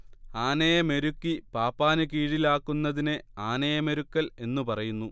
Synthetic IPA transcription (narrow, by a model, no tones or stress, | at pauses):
aːnɐjɐme̞ɾukːipaːpːaːnɨk̬iːɻilaːkːunːɐðinɨaːnɐjɐme̞ɾukːɐle̞nːupɐrɐjunːu